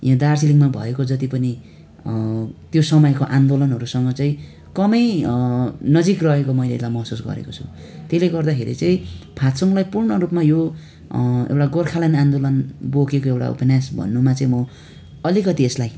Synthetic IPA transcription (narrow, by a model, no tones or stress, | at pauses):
jãd̪arsiliŋmabʱʌ̰ekod͡zʌt̪ipʌni | t̪josʌmʌjkoʔand̪olʌnɦʌɾusʌŋɡʌt͡sʌĩ | kʌmʌj | nʌd͡zikrʌɦekomʌjlelajmʌɦsusɡʌ̰ɾḛkot͡sʰu̥ | t̪eleɡʌrd̪akʰḛɾḭt͡saĩpʰat̪sʌŋlajpurɳʌɾupmajo | ḛwʈaɡorkʰalanand̪olʌnbokekoewʈa̰ṵpʌnjasbʱʌ̰nːumat͡sʌĩmʌ | ʌlikʌt̪ieslaj